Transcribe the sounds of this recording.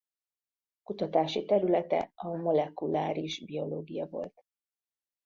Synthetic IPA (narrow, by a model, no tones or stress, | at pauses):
kut̪ɒt̪aːʃit̪ɛɾylɛt̪ɛ̰ɒmo̞lɛkulaːɾiʒbio̞loːɡijɒvo̞̰lt̪